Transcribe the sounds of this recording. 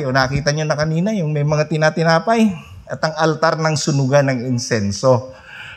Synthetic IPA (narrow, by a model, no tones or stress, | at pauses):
ʔonakiːt̪ɐɲonɐkɐniːnɐjʊŋmɛjmɐŋat̪ɪnɐt̪ɪnaːpɐj | ʔɐt̪ɐŋɐlt̪aɾnɐŋsʊnʊɡanɐŋɪnsɛnso̞